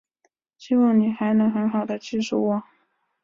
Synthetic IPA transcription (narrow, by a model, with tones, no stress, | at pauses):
ɕi˥˧wɑ˥˩ŋni˨˩xa˧˥ɪnɤ˧˥ŋxə˧˥nxɑ˨˩ʊd̪ə˦t͡ɕi˥˧ʂu˥˩wɔ˨˩˦